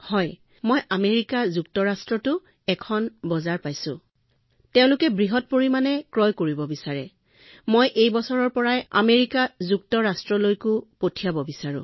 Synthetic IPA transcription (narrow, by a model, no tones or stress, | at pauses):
hɔj | mojʔameɹikazuk̚tɔɹastɹɔtʊ | ɛkʰɔnbɔzaɹpajsʊ̰̃ | tɛʊ̃lʊkɛbɹiɦɔt̚poɹimanɛkɹɔjkoɹibɔbisaɹɛ̰ | mojʔejbɔsɔɹɔɹpɔɹaja̰meɹikazuk̚tɔɹastɹɔlojkʊpotʰijabɔbisaɹʊ̰̃